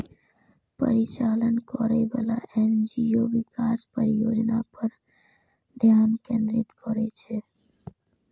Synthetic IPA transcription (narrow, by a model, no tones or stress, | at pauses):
pə̰ɾit͡ʃaːlənkɔɾebaːlaʔend͡ʒijoʋikaːspəɾɪjoːd͡ʒnapəɾ | d̪ʱjaːnkẽːnd̪ɾɪt̪kɔɾet͡ʃʰe